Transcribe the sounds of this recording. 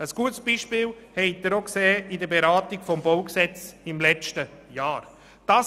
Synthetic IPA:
əsɡ̥uətsb̥iʃpɪːlhɛɪd̪əɾokseːɪdəɾbeɾaːtiɡ̥fɔmbɔwksɛt͡sɪmlɛt͡ʃtəjɑːɾ | d̥ɑː

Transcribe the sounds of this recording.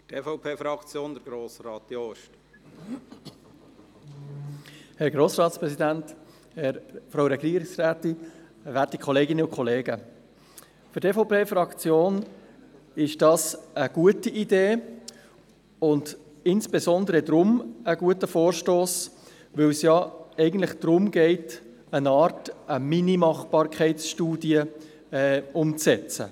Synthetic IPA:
tefoʊpʰeːfɾɑkt͡sjoːnd̪əɾɡɾoːsɾɑːtdjoːʃt | hɛɾɡɾoːsrɑːtspɾɛsidænt | hɛɾfɾaʊɾɛɡiːɾɪksraːtɪvæːtikʰɔleːɡɪnəʊkχɔleːɡə | fʏɾtefɔʊpeːfɾɑkt͡sjoːn | ɪʃd̥ɑːsəɡ̥uətiʔideː | ʊnd | ɪnsb̥ezɔnd̪əɾədɾʊməɡuətəfoːɾʃtoːs | ʋɵlsjɑɛɪɡən̩tlɪχd̥ɾʊmɡɛɪt | ənɑːɾtəminimɑχb̥ɑːɾkʰɛɪsʃtuːdiə | ɛʊmt͡sɛt͡sə̰

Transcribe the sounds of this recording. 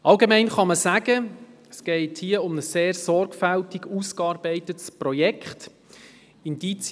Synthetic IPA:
ɑlɡemɛɪnχɑməsæɡ̥əɛsɡ̥ɛɪthiːəʊməsseːɾsɔrɡfæltiɡuːskɑːɾbɛɪtətsprɔjɛkχt | indit͡s

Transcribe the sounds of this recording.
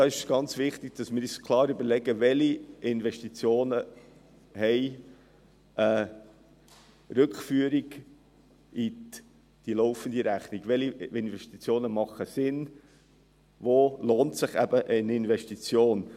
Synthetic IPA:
d̥̪ɑɪʃɡ̥ɑnt͡svɪχt̪iɡ̥̚d̥ɑsmɪɾskʰlˠɑːɾybəɾlɛɡəvɛliɪnvɛʃtit͡sjoːnə | hɛɪ | ə | ɾʏkχfyːəɾiɡ | i | d̪̥ilɔʊfənd̪iɾæχniɡʋɛliɪnvɛʃtit͡sjoːnəmɑχəsɪn | voːloːntsɪχæ̰bəʔənɪnvɛʃtit͡sjoːn

